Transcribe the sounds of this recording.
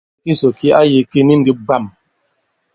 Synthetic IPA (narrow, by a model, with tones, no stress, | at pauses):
ki˦so˨ki˦a˦ji˨ki˦ni˦ŋ̩˦ɡi˦ba˦˨m